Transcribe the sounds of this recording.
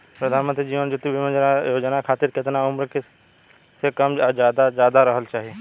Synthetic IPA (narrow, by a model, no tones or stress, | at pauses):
pɾɐd̪ʱaːnmənt̪ɾid͡ʒiːʋənd͡ʒʊt̪ːibimə̃d͡ʒnajoːd͡ʒənakʰaːt̪iɾkɪt̪naʊmɾəkɪ | sekɐmd͡ʒjaːd̪ad͡ʒjaːd̪aɾəɦəlt͡ʃaːɦie